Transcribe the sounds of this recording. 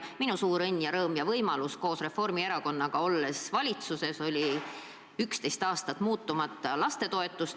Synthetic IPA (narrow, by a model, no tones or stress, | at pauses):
minusuːɾɤnʲːjɑɾɤːmjɑvɤjmɑlusko̞ːsre̞fo̞rmie̞ɾɑko̞nːɑɡ̥ɑo̞lːe̞svɑlʲit̪suse̞so̞lʲi | ykst̪e̞jst̪ɑːst̪ɑt̪muːt̪ːˑumɑt̪ːˑɑlɑst̪e̞t̪o̞e̞t̪ːˑust̪